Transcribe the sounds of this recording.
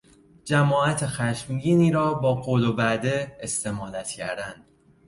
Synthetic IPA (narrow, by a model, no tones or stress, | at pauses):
d͡ʒæmɒːæt̪ʰexæʃmɟiːniːɾɒːbɒːɡolobæd̪e̞est̪e̞mɒːlæt̪cʰæ̰ɾd̪ænd̪̥